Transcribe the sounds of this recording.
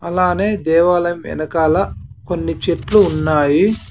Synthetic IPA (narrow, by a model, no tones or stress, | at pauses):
ɐlaːne̞ːd̪ɛːʋaːlɐmʋɛ̰nɐkaːlɐkonːit͡ʃeʈluːnːaːji